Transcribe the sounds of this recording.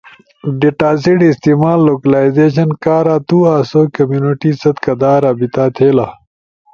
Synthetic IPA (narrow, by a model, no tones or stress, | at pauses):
ɖeʈaːsiɖist̪iːmaːlːoːkɐlaːizeːɕɐnkaːɾaːt̪uːaːsoːkɐmjuːniʈiːsɐt̪kɐd̪aːɾaːbit̪aːt̪ʰeːla